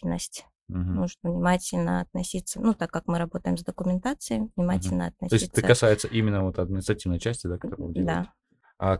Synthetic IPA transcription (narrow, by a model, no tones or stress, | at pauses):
nə̰sʲt̩ʲ | nuʐɨt̪vnʲɪmatʲɪlʲnə̰ɐt̪̚nɐsʲit̪sːənut̪akːakmɨɾɐbo̞t̪əjɪmzd̪əkʊmʲɪnt̪at̪sɨəvnʲɪmatʲɪlʲnəɐt̪̚nɐsʲosiɛt̪əəkɐsajɪt̪səʔimʲɪnːəvo̞t̪ɐd̪̚mʲɪnʲɪt̪ɾɐtʲivnəjt͡ɕæsʲtʲɪd̪akɐt̪oɾəvdʲɪd̪a̰ | a